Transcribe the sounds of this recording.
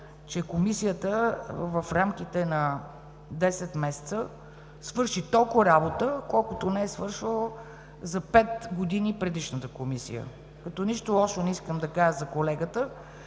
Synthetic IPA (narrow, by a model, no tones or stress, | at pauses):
t͡ʃɛkomisijət̪əvɐfɾamk̟it̪ɛnɐ | d̪ɛsɛt̪mɛsɛ̥t̪sə | svɤɾʃit̪ɔlˠkʊɾabot̪əkɔlˠkʊt̪onɛɛsvɤɾʃəlˠə | zɐpɛt̪ɡod̪inipɾɛd̪iʃnət̪əkomisḭjə̰ | kɐt̪ɔniʃt̪olˠɔʃonɛiskəmd̪ɐkaʒəzɐkolɛɡət̪ə